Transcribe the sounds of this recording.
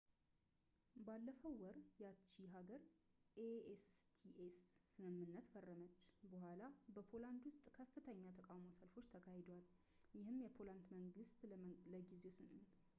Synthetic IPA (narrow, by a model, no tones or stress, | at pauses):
balːəfəwːɔɾjat͡ʃːiɦaɡəɾʔeest̪ʰiʔesːɨmɨmːɨnːət̪fərːəmət͡ʃːbəɦʷalabəpʰo̞land̪wʊst̪ʼkʰəfːɨt̪ʰəɲːat̪ʰəkʼawmo̞səlfo̞t͡ʃːt̪ʰəkʰahed̪owal | jɪhɨmjɛpʰo̞lant̪məŋɡɨst̪ləɡize̞sɨnɨn